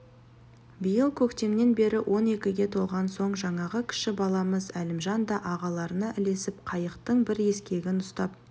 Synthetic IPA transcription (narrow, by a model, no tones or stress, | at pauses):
bijəlˠkʲʰɵkt̪e̞mne̞nbe̞ɾɪwʔo̞ne̞kʲɪɡʲe̞t̪ʰo̞lˠʁɑnso̞ɴʒɑɴɑʁəkʲʰɪ̥ʃɪbɑlˠɑməzælɪmʒɑnd̪ɑʔɑʁɑlˠɑɾənɑʔɪle̞sɪp̚qʰɑjəqt̪əɴbɪɾe̞skʲe̞ɡʲɪnʊst̪ɑp̚